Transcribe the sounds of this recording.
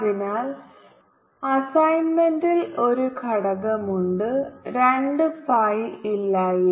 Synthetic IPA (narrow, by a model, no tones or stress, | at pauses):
ðinaːl | ɐsɐjnmendilo̞ɾukʰɐɽɐɣɐmuɳɖɨɾeɳɖɨpajilːaːji